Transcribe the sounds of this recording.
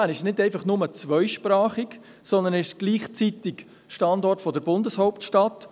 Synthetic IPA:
æɾɪʃnɪdɛɪfɑχnʊmət͡sʋœʏʃpɾɑːχɪk | sɔnd̪ənɪʃɡ̥liːχt͡sit̪ɪk | ʃtɑndɔrtfɔdəɾbʊndəshɔʊp̚tʃtɑt

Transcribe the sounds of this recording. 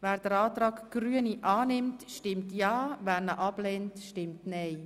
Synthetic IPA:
vɛːɾd̥əɾɑːtrɑːkɡ̥ryəniʔɑːnɪmtʃtɪmtjɑːvɛːɾnəʔɑb̥leːntʃtɪmtnɛɪ

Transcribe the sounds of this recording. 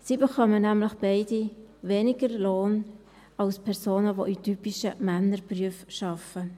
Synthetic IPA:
sibekœmənæmlɪχb̥aɪdiveːnɪɡəɾloːn | ɑlspʰɛɾsoːnəvoʔitypiʃəmænːəɾpryəfʃɑfə

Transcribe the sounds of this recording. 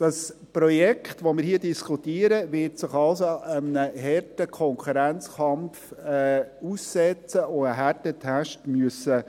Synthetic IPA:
d̥ɑspɾɔjɛkχtʋomɪːɾhiːdiskʰutiːəɾəvɪɾtsɪχɑlsoəmnəhɛrtəkʰɔŋkʰuɾænt͡skɑmfɛussɛt͡səoəɦætətʰæʃtmyəsə

